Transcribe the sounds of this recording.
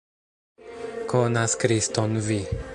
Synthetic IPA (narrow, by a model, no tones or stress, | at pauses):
kɔnaskɾist̪ɔnvi